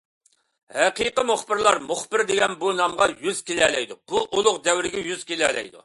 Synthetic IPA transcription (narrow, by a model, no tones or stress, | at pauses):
hɛqiqəmoχbɪɾlˠɑɾmoχbɪɾd̪eɡʲɛnbunɑmʁɑjyz̥kʲelɛːlɛjd̪ub̥uʔolˠʊqd̪ɛwɾɪɡʲɛjyzkʲelɛ̰ːlɛ̰jd̪ṵ